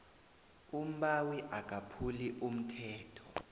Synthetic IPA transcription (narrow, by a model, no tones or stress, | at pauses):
um̩ɓawiʔakʼapʰuliʔum̩tʰɛːtʰɔ̥